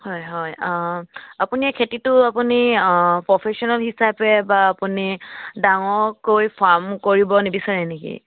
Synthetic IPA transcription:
hɔjɦɔj | apuniɛkʰetitʊapunipɹɔpʰesiɔnalɦisapɛbaːpunidaŋɔɹkojpʰaɹmkoɹibɔnebisaɹɛnekḭ

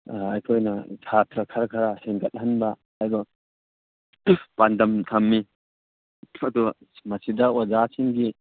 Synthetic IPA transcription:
ɐjkʰojnɐtʰat̪ɾɐkʰɐɾɐkʰɐɾaseŋɡɐt̚ɦɐnbɐː | jdɔ | pandɐmtʰɐmːi | ɐdu | mɐsidɐwad͡ʒasʰiŋɡi

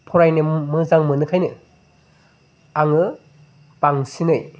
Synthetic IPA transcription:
pʰɔɾajnɯmɯzaŋmɯnɯkʰajnɯ̰ | aŋɯ | baŋsinɯj

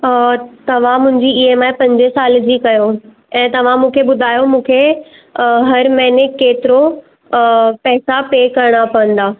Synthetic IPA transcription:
t̪ɐʋ̤ãmʊ̃ɦɪ̃ɲd͡ʑiːemãːpɐ̃ɲd͡ʑesaːld͡ʑiːkɐjo | ɛ̃ːt̪ɐʋ̤ãmũːkʰeɓʊd̪ʱaːjomũːkʰe | ɦɐɾmɛ̃ɦnekeːt̪ɪɾo | pɛːsapeːkɐɾɽ̃apɐʋə̃nd̪aː

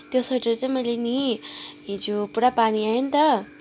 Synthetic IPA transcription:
t̪josoʈeɾʌt͡saĩmʌjleniɦid͡zupuɽapaɽ̃iaɦent̪ʌ

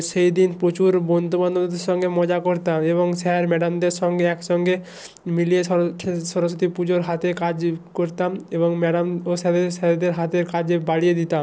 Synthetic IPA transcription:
ʃejd̪inpɾot͡ɕuɾbɔnd̪obanod̪eɾʃɔŋɡemɔd͡ʑakoɾt̪ameβoŋʃɛɾmɛɖamd̪eɾʃɔŋɡeɛkʃɔŋɡe | milieʃɔʃɔɾoʃot̪ipud͡ʑoɾɦat̪ekad͡ʑkoɾt̪ameβoŋmɛɖamoʃɛd̪esɛed̪eɾɦat̪eɾkad͡ʑebaɽijed̪it̪am

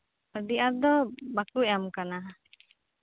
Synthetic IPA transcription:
əd̪iʔaɾd̪ɔbakujamkana

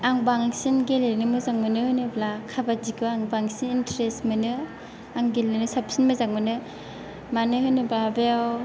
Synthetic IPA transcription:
aŋbaŋsinɡelenɯmɯzaŋmɯnɯhɯjnɯblakʰabazikɯaŋbaŋsinintʰɾestmɯnɯ | aŋɡelenɯsap̚sinmɯzaŋmɯnɯ | manɯhɯjnɯblabeaw

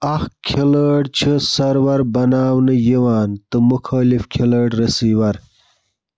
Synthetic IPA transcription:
axkʲʰeləɽt͡ɕʰɐsɐɾwɐɾbɐnaːwnɐjiwaːnt̪ɨmukʰaːlifkʲʰelɐɽɾɐsiːwɐɾ

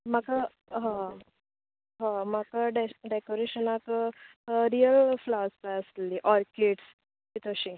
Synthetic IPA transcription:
maka | ɦã | ɦãmakaɖeɖekoɾeɕənak | ɾijəlflaəsp̪ajəslːiʔɔɾkeʈs | kit̪ʰəɕĩ

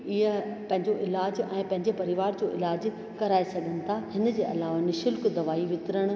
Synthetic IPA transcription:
ɪɦəpɐ̃ɦɪ̃ɲd͡ʑoʔɪlaːd͡ʑɛ̃ːpɐ̃ɦɪ̃ɲd͡ʑepɐɾɪʋaːɾd͡ʑoːʔɪ̰laːd͡ʑ | kɐɾaːesɐɡʱənɪ̆t̪ʰahɪnəd͡ʑeːʔɐlaːʋanɪʃɪlkd̪ɐʋaːiʋɪt̪ɾəɽ̃

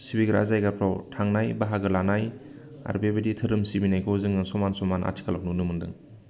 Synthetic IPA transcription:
sibiɡɯɾa̰zajɡapʰɾɔwtʰaŋnajbaɦaɡɯlanaj | a̰ɾbebeditʰɯɾɯmsibinajkʰɔwzɯŋɯsɔmansɔmana̰tʰi̥kalak̚nunɯmɯŋdɯ̰ŋ

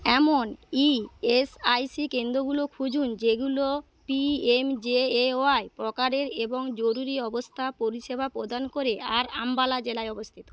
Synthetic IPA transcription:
ɛmoniesajsikend̪ɾoɡulokʰud͡ʑund͡ʑeɡulo | piemd͡ʑeeoaepɾɔkaɾeɾeboŋd͡ʑoɾuɾiɔbost̪ʰapoɾiʃebʱapɾod̪ankoɾeaɾambalad͡ʑelaeɔbost̪ʰit̪o̥

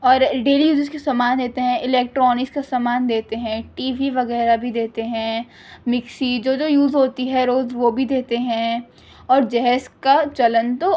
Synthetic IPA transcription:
ɔːɾɖeːlijuːzɪd͡ʒkasaːmaːnd̪eːt̪eɦɛ̃ʔɪlɛːk̚ʈɾɔːnɪkskasaːmaːnd̪eːt̪eɦɛ̃ʈiːʋiʋɐɣɛːɾabʱid̪eːt̪eɦɛ̃ | mɪksid͡ʒoːd͡ʒoːjuːzɦoːt̪iɦɛɾoːzʋobʱid̪eːt̪eɦɛ̃ | ɔːɾd͡ʒɛɦɛskat͡ʃɐlə̃nt̪o

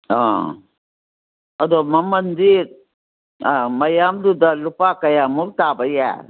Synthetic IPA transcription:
ã̰ | ɐd̪omɐmɐnd̪iɾ | amɐjaːmd̪ud̪alupaːkɐjamuɾt̪aːbɐja̰

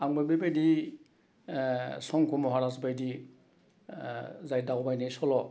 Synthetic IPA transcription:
aŋbajbajbajdi | sɔŋkʰumɔɦɔɾas̬bajdi | zajdawbajnajsɔlɔ

